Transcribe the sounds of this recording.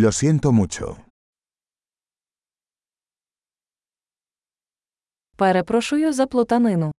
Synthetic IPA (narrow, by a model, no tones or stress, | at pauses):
lʲɔsent̪ɔmut͡ʃɔ̰ | pɛɾepɾɔʃʊjʊzɐplˠɔt̪ɐnɪnʊ